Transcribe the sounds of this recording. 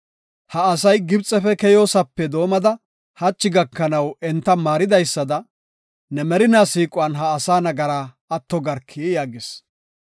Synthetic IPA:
hɐːsɐjɡɪbt͡sʼɛfɛkɛjo̞ːsɐpːɛd̪o̞ːmɐd̪ɐ | hɐt͡ʃːɪɡɐkːɐnɐwɛnt̪ːɐmaːɾɪd̪ɐjsːɐd̪ɐ | nɛmɛɾɪnaːsiːkʼʊɐnɦɐːsaːnɐɡɐɾaː | ɐt̪ːɔɡɐɾkʰːijaːɡɪs

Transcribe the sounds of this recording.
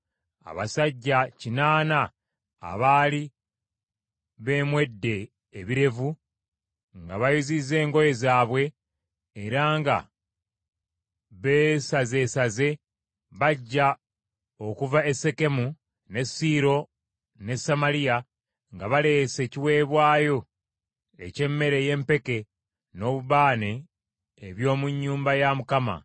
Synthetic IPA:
a̰βa̰saɟːacinaːna | a̰βaːli | βe̞ːmwe̞dːe̞ː | βiɾe̞vu | ŋɡaβajuzize̞ːŋɡo̞je̞zaːβwe̞ː | ɾaŋɡa̰ | βeːsaze̞ːsaze̞ | βaɟːa | o̞kuvae̞se̞ke̞mu | ne̞siɾo̞ | ne̞sːamalija | ŋɡaβale̞ːse̞ciwe̞ːβwaːjo̞ | e̞̰ce̞mːe̞ɾe̞je̞mpe̞ke̞ | no̞ːβuβaːneː | βjo̞ːmuɲːuːmbajamukama̰

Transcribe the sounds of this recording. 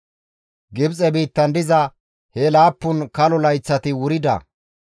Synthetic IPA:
ɡɪbt͡sʼɛbiːt̪ːɐnd̪ɪzɐ | hɛlaːpːʊnkɐlɔlɐjt͡sːɐt̪ɪwʊɾɪd̪ɐ̰

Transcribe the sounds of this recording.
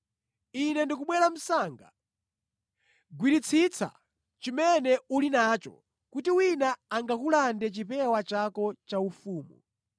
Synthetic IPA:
inɛndikuɓwɛɾam̩saːŋɡa̰ | ɡwiɾit͡sʰit͡sʰa̰ | t͡ʃimɛnɛulinaːt͡ʃɔ̰ | kutiwinaːŋɡakulandɛt͡ʃipɛwat͡ʃakɔt͡ʃaufuːmṵ

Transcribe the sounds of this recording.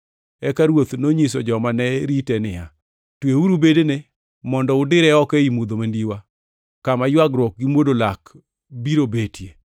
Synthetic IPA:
ɛkaɾwot̪noɲis̬ɔd͡ʒɔmanɛɾitɛnɪa | tweuɾubedene | mɔndɔʊdɪɾɛɔkɛimud̪omandiwa | kamajwaɡɾwɔk̚ɡimwodolak | biɾobetʰje

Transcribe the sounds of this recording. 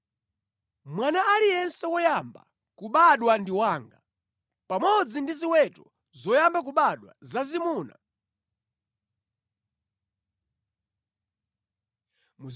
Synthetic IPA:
mwanaːlijɛnsɛwɔjamba̰ | kuɓaɗwandiwaːŋɡa̰ | pamɔd͡zindiziwɛtɔ | zɔjambak̬uɓaɗwa̰zazimuːna̰ | mu

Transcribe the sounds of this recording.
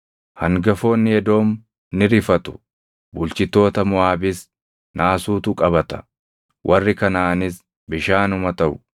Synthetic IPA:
hɐŋɡɐfo̞ːnːɪjɛd̪o̞ːm | nɪɾɪfɐt̪ʊ̥ | bʊlt͡ʃɪt̪ːo̞ːt̪ɐmʊaːbɪs | nʔaːsuːt̪ukʼɐβɐt̪ɐ̥ | wʔɐrːɪkɐnaːnɪs | bɪʃaːnʊmɐt̪ɐʔʊ

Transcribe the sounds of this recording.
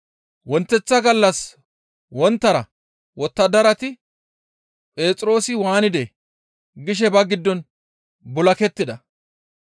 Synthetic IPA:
wɔnt̪ːɛt͡sːɐɡɐlːɐs | wɔnt̪ːɐɾɐ | wɔt̪ːɐd̪ɐɾɐt̪ɪ | pʼe̞ːt͡sʼɾo̞ːsɪwaːnɪd̪ɛ | ɡɪʃ̬ɛbɐɡɪd̪ːɔn | bʊlɐkɛt̪ːɪd̪ɐ

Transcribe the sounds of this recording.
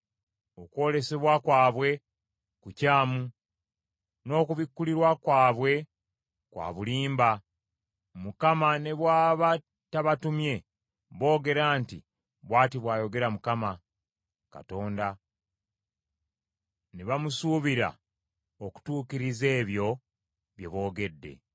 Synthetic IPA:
okuwo̞ːle̞se̞βwakwaːβwe̞ | kucaːmu | no̞ːkuβikːuliɾwakwaːβwe̞ | kwa̰ːβuliːmba | mukamane̞βwaːβa | taβatumje̞ | βo̞ːɡe̞ɾaːntḭ | βwaːtiβwaːjo̞ɡe̞ɾamukama | ka̰to̞ːnda | neβamusuːβiɾa̰ | oku̥tuːkiɾize̞ːβjo̞ | βje̞βo̞ːɡe̞dːe̞̰

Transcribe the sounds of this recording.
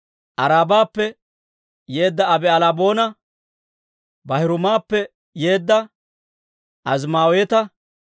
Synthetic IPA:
ʔɐɾaːbaːpːɛ | je̞ːd̪ːɐːbɛɐlabo̞ːnɐ | bɐhɪɾʊmaːpːɛ | je̞ːd̪ːɐ | ɐzmaːwet̪ɐ

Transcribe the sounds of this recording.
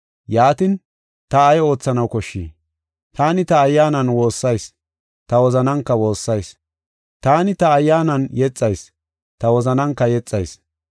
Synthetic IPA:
jaːt̪ɪn | t̪ɐːjo̞ːt͡sːɐnɐwkɔʃːḭː | t̪aːnɪt̪ɐːjːaːnɐnwo̞ːsːɐjs | t̪ɐwɔzɐnɐŋkːɐwo̞ːsːɐjs | t̪aːnɪt̪ɐːjːaːnɐnjɛt͡sʼːɐjs | t̪ɐwɔzɐnɐŋkːɐjɛt͡sʼːɐjs

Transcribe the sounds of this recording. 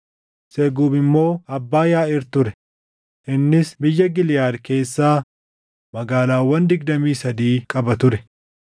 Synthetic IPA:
seːɡuːbɪmːo̞ːɐbːaːjaːɪɾt̪ʊɾɛ | ʔɪnːɪsbɪjːɐɡɪlɪjaːɾke̞ːsːaː | mɐɡaːlaːwːɐnd̪ɪɡd̪ɐmiːsɐd̪iːkʼɐbɐt̪ʊɾɛ

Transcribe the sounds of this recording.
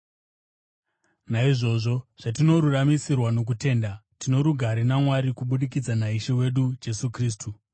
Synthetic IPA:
naiʐo̞ʐo̞ʐ̥atino̞ɾuramisirwano̞k̬ute̞ːndatino̞ɾuɡʱaɾinamwaɾikuɓuɗikid͡zanaiʃewe̞ɗud͡ʒe̞sukriːstu

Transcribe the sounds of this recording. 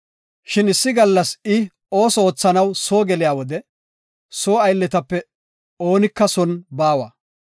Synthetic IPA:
ʃɪnɪsːɪɡɐlːɐsɪ | o̞ːsɔoːt͡sːɐnɐwsoːɡɛlɪjaːwɔd̪ɛ | soːɐjlːɛt̪ɐpːɛ | o̞ːnɪkːɐsɔnbaːwɐ

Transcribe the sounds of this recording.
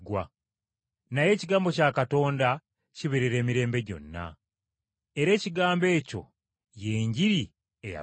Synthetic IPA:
ɡwa | naje̞ːciɡaːmbo̞caːkato̞ːnda | ciβeɾeɾe̞ːmiɾe̞ːmbe̞ɟo̞̰nːa̰ | eɾe̞ːciɡaːmbe̞ːco̞̰ | je̞ːɲɟiɾi | eja̰

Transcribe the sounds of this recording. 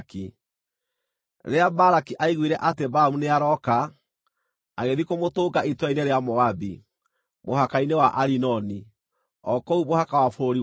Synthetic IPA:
ki | ɾeabaɾakiʔaiɣwiɾɛʔatebaamuneaɾɔka | ɣeðikomotoːɡaitwaineɾeamɔabi | mohakainewaʔaɾinɔni | ɔkɔumohakawafoɾoɾi

